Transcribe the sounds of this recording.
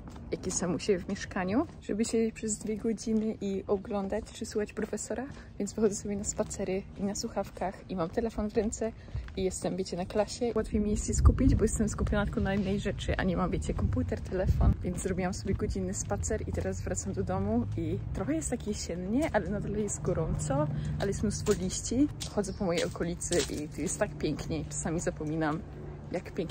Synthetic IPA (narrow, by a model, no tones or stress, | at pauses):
jakʲisamuɕebʲjɛvmʲjɛʂkaɲuʐ̥ɛbɘɕed͡ʑet͡ɕpʂɛzd̪vʲjɛɡɔd͡ʑinɘʔiʔɔɡlɔnd̪at͡ɕt͡ʂɘswuxat͡ɕpɾɔfɛsɔɾa | vʲjɛnt̪vɘxɔd̪zɛsɔbʲjɛnaspat̪sɛɾɘinaswuxafkaximamt̪ɛlɛfɔnvɾɛnt̪sɛ | ijɛst̪ɛmbʲet͡ɕɛnaklaɕɛwat̪fʲjejmʲijɛst̪jɛskupʲid͡ʑbɔjɛst̪ɛmskupʲjɔnat̪kɔnainːɛjʐɛt͡ʂɘʔa̰ɲɛmambʲjet͡ɕɛkɔmput̪ɛɾt̪ʰɛlɛfɔnvʲjɛnd̪zzɾɔbʲiwamsɔbʲjɛɡɔd͡ʑinːɘspat̪sɛɾit̪ɛɾazvɾat̪samd̪ɔd̪ɔmuit̪ɾɔxɛjɛst̪ːakʲjɛɕɛnɲɛʔalɛnad̪aljɛst̪ɡɔɾɔnt̪sɔʔa̰lɛjɛst̪mnust̪fɔlʲiɕt͡ɕixɔdzɛpɔmɔjejɔkɔlʲit̪sɘʔḭt̪ɔjɛst̪ːakpʲjɛŋkɲɛt͡ʂḁsamʲizapɔmʲinam | jakpʲjɛŋk